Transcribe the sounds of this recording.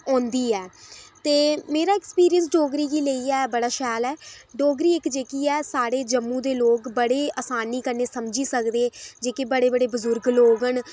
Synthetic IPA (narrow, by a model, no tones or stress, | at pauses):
õːnd̪iːɛːt̪eːmeːɾaːɪkspiːɾijəns̬ɖoːɡɾiːkiːləiːɛːbəɽaːʃɛːlɛːɖoːɡɾiːɪkd͡ʒeːkiːɛːsaːɽeːd͡ʒəmːũːd̪eːloːkbəɽeːaːsaːniːkəɾneːsəmd͡ʒiːsəkd̪eːd͡ʒeːkebəɽeːbəɽeːbʊzʊɾɡloːɡəɳ